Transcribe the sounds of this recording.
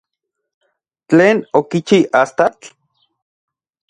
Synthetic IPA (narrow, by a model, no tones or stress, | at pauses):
t͡ɬeːnokit͡ʃiast̪at͡ɬ